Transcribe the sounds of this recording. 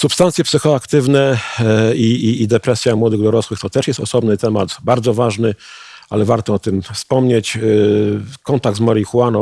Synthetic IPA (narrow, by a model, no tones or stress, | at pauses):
supst̪ant̪sʲjɛpsɘxɔakt̪ɘvnɛ | iiːd̪ɛpɾɛsʲjamwɔd̪ɘɣd̪ɔɾɔswɘxt̪ɔt̪ɛʂjɛst̪ɔsɔbnɘt̪ɛmad̪baɾd̪zɔvaʐnɘ | alɛvaɾt̪ɔɔt̪ɘmfspɔmɲet͡ɕ | kɔnt̪aɡ̪̚zmɔɾʲixuwanɔ